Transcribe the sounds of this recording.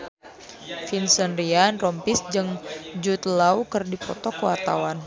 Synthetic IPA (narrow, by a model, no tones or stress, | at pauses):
finsənrianrɔmpisd͡ʒɨŋd͡ʒut̪laukɨrdipɔt̪ɔkəwart̪a̰wan